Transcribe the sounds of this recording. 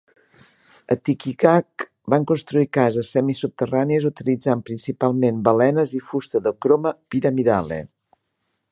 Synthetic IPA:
ət̪ikikak | baŋkunst̪ɾuikazəsːɛmisup̚t̪əraniəzut̪ilid͡zampɾinsipalˠmenbəlɛnəzifust̪əðəkɾoməpiɾəmiðalḛ

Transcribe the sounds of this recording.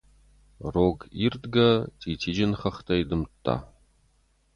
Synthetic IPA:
roːɡiːrd̪ɡɐtʰʼiːtʰiːd͡ʒɐnχɐχtʰɐjdɨmtʰʼːa̰ː

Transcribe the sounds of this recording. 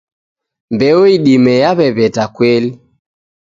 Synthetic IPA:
mbɛɔiɗimɛjaβɛβɛtakwɛli

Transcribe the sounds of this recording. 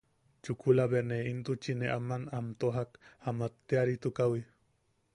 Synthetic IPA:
t͡ʃukʰulaβeneint̪ut͡ʃineʔamanamt̪oɦakamat̪ːeaɾit̪ukawi

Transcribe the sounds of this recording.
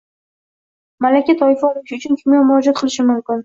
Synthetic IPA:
malakʲat̪ʰɒjɪfɒlˠɪʃɪʊt͡ʃʰʊnk̪ʰɪmjɒmʊɾɒd͡ʒɒt̪̚qʰɨlˠɪʃɪmʊmkʲɪn

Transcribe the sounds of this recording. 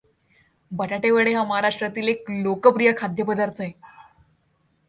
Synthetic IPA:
bəʈaʈeʋeɽeɦaməɦaɾaʂʈɾat̪iːleklokəpɾijakʰad̪ʱjəpəd̪aɾt̪ʰae

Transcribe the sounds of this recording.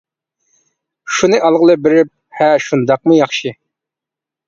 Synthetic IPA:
ʃunɨʔɑlˠʁəlˠɨbɪɾɪp̚ | hɛʃund̪ɑq̚mujɑχʃɨ

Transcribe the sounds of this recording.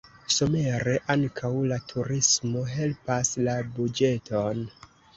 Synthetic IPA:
so̞me̞ɾe̞ʔaŋkʰawlatʰuɾismo̞ɦe̞lpaslabud͡ʒe̞tʰo̞n

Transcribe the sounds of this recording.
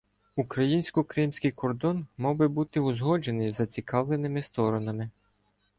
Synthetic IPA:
ukɾɐjinʲsʲkɔkɾɪmsʲkɪjkɔrd̪ɔnmɔwbɪbut̪ɪʊzɦɔd͡ʒe̞nɪjzɐt͡sʲikɑʋlˠenɪmɪst̪ɔɾɔnɐmɪ

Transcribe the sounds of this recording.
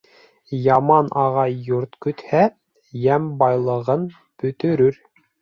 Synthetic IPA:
jɑmɑnʔɑʁɑjːoɾt̪kɵ̆t̪hæ | jæmbɑjlˠɤ̆ʁɤn | bɵ̆t̪ɵ̆ɾɵɾ

